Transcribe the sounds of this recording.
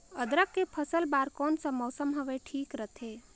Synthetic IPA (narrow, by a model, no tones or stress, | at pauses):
əd̪ɾəkːepʰəsəlbaːɾkɔːnsə̃mɔːsəmɦəʋeʈʰiːkɾət̪ʰe